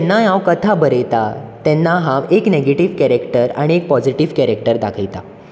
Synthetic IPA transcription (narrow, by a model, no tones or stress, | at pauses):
nːajãʋkət̪ʰabəɾejt̪at̪ɛnːaɦãʋekneɡeʈiʋkɛɾekʈəɾa̰ɽ̃iek̚pɔd͡ziʈiʋkɛɾekʈəɾd̪akʰəjt̪a